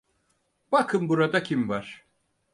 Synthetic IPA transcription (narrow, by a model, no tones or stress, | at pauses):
b̥akʰɯmbuɾad̪acʰimvaɾ̥